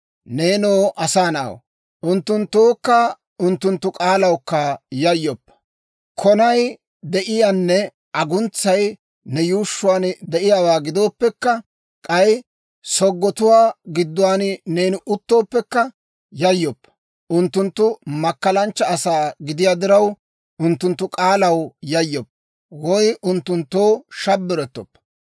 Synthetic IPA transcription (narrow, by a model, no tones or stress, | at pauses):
ne̞ːnoːʔɐsaːnɐ̰w̰ | ʔʊnt̪ːʊnt̪ːoːkːɐ | ʊnt̪ːʊnt̪ːʊkʼaːlɐwkːɐjɐjːɔpː | kʰɔnɐj | d̪ɛʔɪjanːɛ | ʔɐɡʊnt͡sːɐj | nɛjuːʃːʊwaːnd̪ɛʔɪjaːwaːɡɪd̪o̞ːpːɛkːɐ | kʼɐj | sɔɡːɔt̪ʊwaːɡɪd̪ːʊwaːnne̞ːnɪʔʊt̪ːo̞ːpːɛkːɐ | jɐjːɔpː | ʔʊnt̪ːʊnt̪ːʊmɐkːɐlɐnt͡ʃːɐːsaːɡɪd̪ɪjaːd̪ɪɾɐw | ʔʊnt̪ːʊnt̪ːʊkʼaːlɐwjɐjːɔpː | wɔjʔʊnt̪ːʊnt̪ːoːʃɐbːɪɾɛt̪ːɔ̰pː